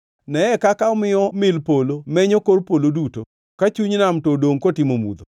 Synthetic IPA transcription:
nɛɛkakaɔmɪɔmɪlpolomɛɲokoɾpoloduto | kat͡ʃuɲnamtodoŋkotɪmomṵd̪o

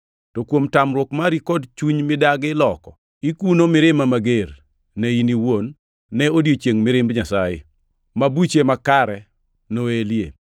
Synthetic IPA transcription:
tokwomtamɾwɔkmaɾikɔdt͡ʃuɲmɪdaɡɪlɔkɔ | ikunomɪɾɪmamaɡer | nɛiniwonː | ɛodjot͡ʃjeŋmɪɾɪmbɲasajɪ̰ | mabut͡ʃemakaɾɛ | noeljḛ

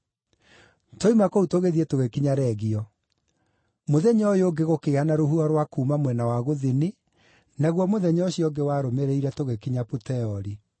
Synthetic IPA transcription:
toimakoutoɣeðietoɣekiɲaɾɛɣiɔ | moðɛɲɔjoːɡeɣokehanaɾoɦuɔɾwakuːmamwɛnawaɣoðini | naɣwɔmoðɛɲɔɕiɔɡewaːɾomeɾeiɾɛtoɣekiɲaputɛɔɾi

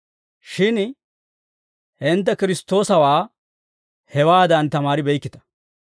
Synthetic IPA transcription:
ʃɪn | hɛnt̪̬ːɛkɪɾɪst̪ːo̞ːsɐwaː | hɛwaːd̪ɐnt̪ɐmaːɾɪbɛjkːɪt̪ɐ̥

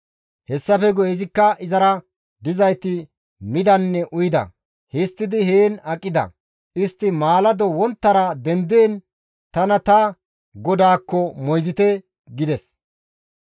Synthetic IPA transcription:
hɛsːɐfɛɡɔjɛzɪkːɐʔɪzɐɾɐ | d̪ɪzɐjt̪ɪ | mɪd̪ɐnːɛʔʊjɪd̪ɐ̰ | hɪst̪ːɪd̪ɪheːnɐkʼːɪd̪ɐ̰ | ʔɪst̪ːɪmaːlɐd̪ɔwɔnt̪ːɐɾɐd̪ɛnd̪eːn | t̪ɐnɐt̪ɐ | ɡɔd̪aːkːɔmɔjzɪt̪ɛ | ɡɪd̪ɛs

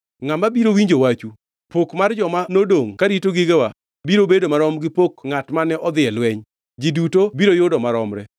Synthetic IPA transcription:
ŋamabiɾowiɲd͡ʒowat͡ʃu | pokmard͡ʒɔmanodoŋkaɾitoɡiɡewa | biɾobedomaɾɔmɡɪpokŋatmanɛʔɔd̪ɪɛlwɛɲ | d͡ʒidutobiɾojodɔmaɾɔmɾɛ

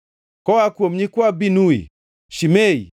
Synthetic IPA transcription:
kɔwakuɔm̩ɲikwabinuḭ | ʃimɛi

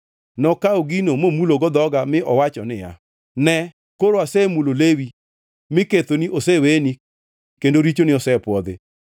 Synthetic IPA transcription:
nɔkaoɡinomomuloɡɔd̪ɔɡamɪʔɔwat͡ʃɔnɪja̰ | nɛ | koɾoasɛmulolewi | mɪket̪oniʔoseweni | kendoɾit͡ʃonɪɔsɛpwɔd̪ɪ̰

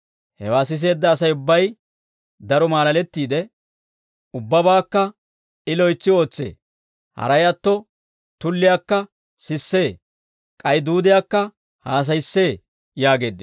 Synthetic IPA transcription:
hɛ̰waːsɪs̬e̞ːd̪ːɐːs̬ɐjʊbːɐj | d̪ɐɾɔmaːlɐlɛt̪ːiːd̪ɛ | ʊbːɐbaːkːɐ | ɪlɔjt͡sːɪo̞ːt͡sːḛː | hɐ̰ɾɐjɐt̪ːɔ | t̪ʊlːɪjaːkːɐ | sɪsːe̞ː | kʼɐjd̪uːd̪ɪjaːkːɐ | haːs̬ɐjsːe̞ː | jaːɡe̞ːd̪ːɪ

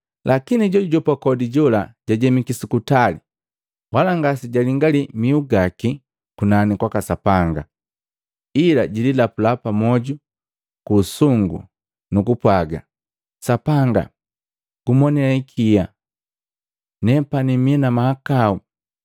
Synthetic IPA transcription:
lʔakiniɟɔuɟɔpakɔdiɟɔlaɟ̥aɟɛmikisikutali | walaŋɡasiɟaliŋɡalimiuɡaki | kunanikwakasapaŋɡa̰ | ilaɟililapulapamɔɟu | kusuŋɡṵ | nukupwaɡa̰ | sapaŋɡa̰ | ɡ̥umɔnɛaikʰija | nɛpanimiɛnamahakau

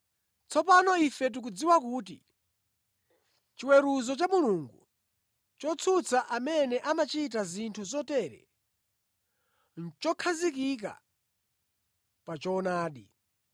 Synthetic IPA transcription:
t͡sʰɔpanɔifɛt̬uk̬ud͡ziwakuːt̬ḭ | t͡ʃiwɛɾuzɔt͡ʃamuluŋɡṵ | t͡ʃɔt͡sʰut͡sʰaʔamɛnɛʔamat͡ʃit̬azintʰuzɔtɛɾɛ̰ | n̩t͡ʃɔkʰazik̬ik̬a̰ | pat͡ʃɔːnaːɗḭ

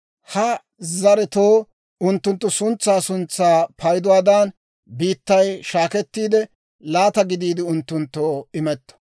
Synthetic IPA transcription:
hɐ | zɐɾɛt̪oː | ʊnt̪ːʊnt̪ːʊsʊnt͡sːaːsʊnt͡sːaːpʰɐjd̪ʊwaːd̪ɐːn | biːt̪ːɐjʃaːkɛt̪ːiːd̪ɛ | laːt̪ɐɡɪd̪iːd̪ɪʊnt̪ːʊnt̪ːoːɪmɛt̪ːɔ̥

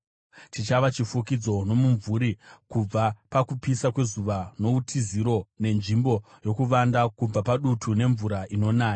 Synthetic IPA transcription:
tit͡ʃaʋat͡ʃifukid͡zo̞no̞muɱvuɾikub͡vapakupisakwe̞zuʋano̞utʰiziɾo̞ne̞nʐimbo̞jo̞kuʋandakub͡vapaɗutʰune̞ɱvuɾaʔino̞naːja

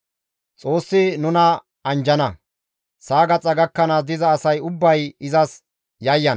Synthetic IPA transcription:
t͡sʼo̞ːsːɪnʊnɐ | ɐnd͡ʒɐnɐ | saːɡɐt͡sʼːɐɡɐkːɐnɐd̪ɪzɐːsɐjʊbːɐjɪzɐs | jɐjːɐn

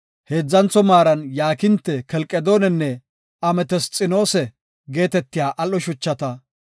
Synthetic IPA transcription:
heːd͡zːɐnt͡sɔmaːɾɐnjaːkɪnt̪ːɛkɛlkʼːɛd̪o̞ːnɛnːɛ | ɐmɛt̪ɛst͡sʼɪno̞ːsɛ | ɡe̞ːt̪ɛt̪ːɪjaːʔɐlːɔʃʊt͡ʃːɐt̪ɐ

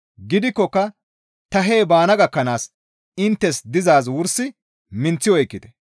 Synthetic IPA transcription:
ɡɪd̪ɪkːɔkːɐ | t̪ɐɦe̞ːbaːnɐɡɐkːɐnaːs | ɪnt̪ːɛsd̪ɪzaːs̬wʊɾsɪ | mɪnt͡sːɪwɔjkːɪt̪ɛ̥

